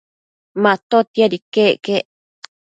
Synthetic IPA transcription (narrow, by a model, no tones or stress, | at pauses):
mãt̪ot̪iaɾikeke